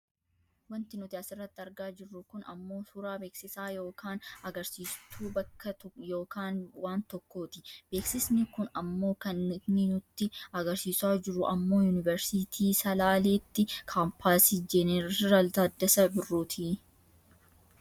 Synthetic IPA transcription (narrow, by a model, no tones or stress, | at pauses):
wɐnt̪ɪnʊt̪ɪɐsɪrːɐt̪ːɪɐɾɡaːd͡ʒɪrːʊkʊnɐ̰mːo̞ːsuːɾaːbe̞ːksɪsaːjo̞ːkaːnɐɡɐɾsiːst̪ʰuːbɐkːɐt̪jo̞ːkaːnwaːnt̪ɔkːo̞ːt̪ɪb̥e̞ːksɪsnɪkʊnɐmːo̞ːkɐnɪknɪnʊt̪ːɪɐɡɐɾsiːsaːd͡ʒɪrːʊʔɐmːo̞ːjunɪvɛɾsɪt̪ʰiːsɐlaːleːt̪ːɪkʰaːmpʰaːsid͡ʒɛnɛɾɾɐlt̪ɐd̪ːɐsɐbɪrːuːt̪ʰɪ